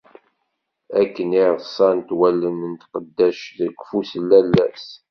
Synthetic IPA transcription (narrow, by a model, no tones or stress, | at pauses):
ækːəniʁsˤɑnt̪wælːənənt̪qəd̪ːæʃθəɡfusəlːælːæ̰s